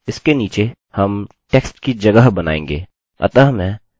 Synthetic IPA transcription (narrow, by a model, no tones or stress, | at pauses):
ɪskeniːt͡ʃe | hɐm | ʈeːksʈkid͡ʒɐɡəɦbɐna̰ːḛ̃ːŋ̆ɡeː | ɐ̰t̪əɦmɛ̃ː